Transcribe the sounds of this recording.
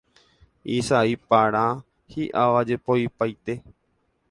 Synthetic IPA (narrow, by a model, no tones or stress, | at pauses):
isaipaɾ̃ã | hiʔaʋad͡ʒepoipajt̪e̞